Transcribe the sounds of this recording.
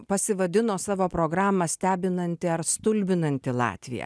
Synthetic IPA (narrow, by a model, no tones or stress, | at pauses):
pɐsʲɪʋɐd̪ʲɪnoːsɑːʋoːpɾoːɡɾɑːmɐsʲt̪ʲæːbʲɪnɐnʲt̪ʲɪɐɾst̪ʊlʲbʲɪnɐnʲt̪ʲɪlˠɑ̰ːt̪ʲʋʲɪ̰jɛ̰